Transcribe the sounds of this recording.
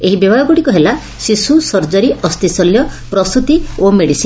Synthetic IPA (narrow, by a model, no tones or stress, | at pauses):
eɦibɔbaɽɔɡuɽikɔɦela | sisusɔɾd͡ʒɔɾiʔɔst̪isɔljɔpɾɔst̪ut̪iomeɽisin